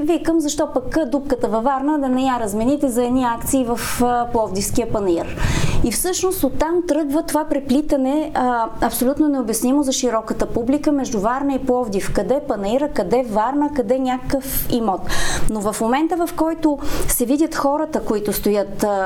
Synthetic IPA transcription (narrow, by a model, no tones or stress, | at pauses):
vikəmzɐʃt̪ɔpɐkd̪up̚kət̪əvɐvaɾnəd̪ɐnɛjaɾɐzmɛnit̪ɛzɐɛd̪niakt̪siːvɐfplˠɔvd̪ifskiəpɐnɐiɾifsɤʃnost̪ot̪ːamt̪ɾɤɡvət̪ovapɾɛplʲit̪ɐnɛɐpsolʲut̪nonɛobjɐsnimozɐʃiɾɔkət̪əpublikəmɛʒd̪ʊvaɾnəiplˠɔvd̪ifkɐd̪ɛpɐnɐiɾəkɐd̪ɛvaɾnəkɐd̪ɛnʲakəkəfimɔt̪novɐfmomɛnt̪əvɐfkɔjt̪ʊsɛvidʲət̪xɔɾət̪əkoit̪ʊst̪ojət̪